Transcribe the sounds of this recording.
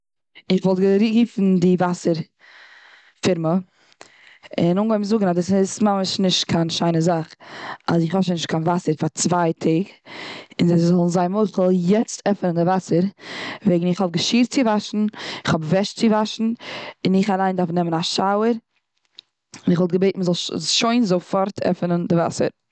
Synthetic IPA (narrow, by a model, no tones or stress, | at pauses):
ɪχvɔlˠtɡəɾiɡiːfn̩dɪvasəɾ | fɪɾmə | ɪnʊŋɡɔɪmzʊɡŋ̩adɪsɪsmaməʃnɪʃtkʰanʃaɪnəzaχa̰zɪχhɔʃənɪʃt̚kʰanvasəɾfaɾt͡svaɪtʰɪːɡɪnzezɔlˠn̩zaɪmoɪχəlˠjɛt͡stʰɛfənəndɪvasəɾveɪɡŋn̩ɪχhɔb̚ɡəʃiːɾt͡sɪvaʃn̩ɪχhɔbvɛʃt͡sɪvaʃn̩ɪnɪχalˠaɪndaɾfnɛmənaʃaʊəɾ | ɪnɪχvɔlˠt̚ɡəbeɪtn̩məzɔlˠʃoɪnzofɔɾtʰɛ̰fənəndɪva̰sə̰ɾ